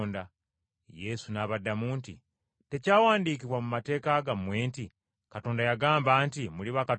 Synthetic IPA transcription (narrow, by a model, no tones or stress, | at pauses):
nda | je̞sunaβadːamuːntḭ | te̞caːwaːndiːkiβwamumate̞ːkaɡamwe̞ːnti | kato̞ːndajaɡaːmbaːntimuliβaka